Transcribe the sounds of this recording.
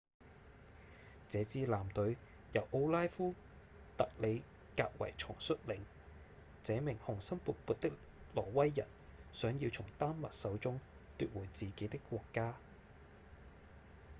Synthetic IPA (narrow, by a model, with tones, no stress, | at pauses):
t͡sɛː˨˧t͡siː˨˧laː˨˩mt̪ɵ˨˥ɥ | jɐ˨˩wʔo˧wlaː˥jfuː˥ | t̪ɐ˨k̚le˨˧j | ka̰ː˧k̚wɐ̰˨˩jt͡ʃʰʊ˨˩ŋsɵ˥t̚lɪ̰˨˩ŋ | t͡sɛː˨˥mɪ˨˩ŋhʊ˨˩ŋsɐ˥npuː˨˧t̚puː˧t̚t̪ɪ˥k | lɔː˨˩wɐ˥jːɐ̰˨˩nsœː˨˥ŋjiː˧wt͡sʰʊ˨˩ŋt̪aː˥nmɐ̰˨t̚sɐ˨˥wt͡sʊ˥ŋ | t̪yː˧t̚wuː˨˩jt͡siː˨ke˨˥jt̪ɪ˥kːʷɔː˧kːaː˥